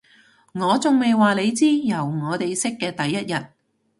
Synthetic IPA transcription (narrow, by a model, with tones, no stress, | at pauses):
ŋɔː˨˧t͡sʊ˨ŋme˨jwaː˨le˨˧jt͡siː˥jɐ˨˩wŋɔː˨˧t̪e˨jsɪ˥kːɛː˧t̪ɐ˨jːɐ˥t̚jɐ˨t̚